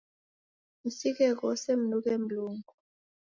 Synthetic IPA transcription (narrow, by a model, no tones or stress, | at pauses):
isikɛk̬ɔsem̩nukem̩luːŋɡu